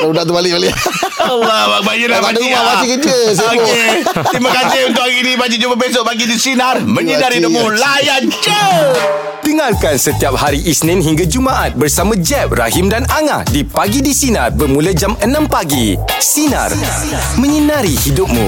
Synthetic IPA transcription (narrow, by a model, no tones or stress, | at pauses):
udat̪ubalɪʔbalialabak̚bajəlaaabaikəd͡ʒəiaet̪ɾimãkasɪɦunt̪ʊʔhaɣinĩbad͡ʒid͡ʒumbəbes̬oʔ̚paɡidisinarmə̃ɲənaɾiduʔ̚mulajand͡ʒə | diŋarkansət̪iap̚haɾiʔisnɪ̃nɦiŋɡad͡ʒumãʔat̪̚bərsamãd͡ʒɛp̚ra̰himdanaŋa̰hdipaɡidisina̰rbərmũlad͡ʒamənãmpaɡi | sina̰r | mə̃ɲənaɾihidʊp̚mṵ̃